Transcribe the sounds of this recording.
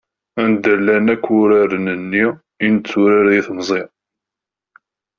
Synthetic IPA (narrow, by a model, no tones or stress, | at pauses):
ænd̪əlːænækʷːʊɾaɾənənːi | int͡sːuɾaɾiθmzˤi